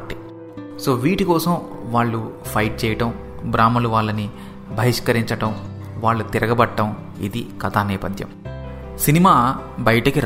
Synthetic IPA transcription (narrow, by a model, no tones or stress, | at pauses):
ʈːi | soːʋiːʈikɔːsɐmʋaːɭːupʰɐjʈ̚t͡ʃɛːjɐʈɐm | bɾaːmɐluʋaːɭːɐni | bʱɐʋiʂkɐɾiɲt͡ʃɐʈɐm | ʋaːɭːut̪iɾɐɡɐbɐʈːɐm | ḭd̪ikɐt̪aːniːpɐd̪ʱjɐ̰m | sinimaːbɐjɐʈɐkiɾ